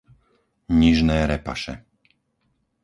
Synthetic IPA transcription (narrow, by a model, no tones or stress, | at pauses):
ɲiʒnɛːɾɛpa̰ʃɛ̰